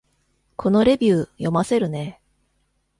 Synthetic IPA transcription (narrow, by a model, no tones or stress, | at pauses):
kʰo̞no̞ɾe̞bʲɨːjo̞mase̞ɾɯ̟ne̞